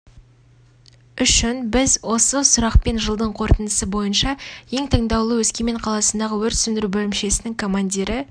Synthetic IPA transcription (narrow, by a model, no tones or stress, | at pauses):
ʏʃɪnbɪzwo̞səsʊɾɑqpe̞nʒəlˠd̪əɴqʰo̞ɾt̪ənd̪əsəbo̞jənʃɑje̞ŋt̪ʰəɴd̪ɑwlˠəwɵzkʲeme̞ɴqʰɑlˠɑsənd̪ɑʁəwɵɾt̪sʏnd̪ɪɾubɵlɪmʃe̞sɪnɪŋkʰo̞mand̪ʲiɾɪ